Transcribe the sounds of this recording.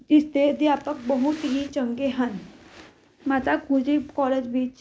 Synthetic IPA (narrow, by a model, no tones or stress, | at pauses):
d͡ʒɪst̪ed̪jaːpək̚bəɦut̪iɦĩt͡ʃə̃ŋɡeɦən | maːt̪akuːd͡ʒikɔːleːd͡ʒbiːt͡ʃ